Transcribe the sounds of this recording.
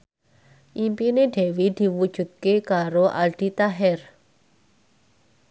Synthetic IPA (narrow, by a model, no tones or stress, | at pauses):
ʔimpineɖ̥ɛ̤wid̪̥i̤wud̥ʒ̥ṳt̪̚kekaɾoʔa̰lɖ̥it̪aɦɛr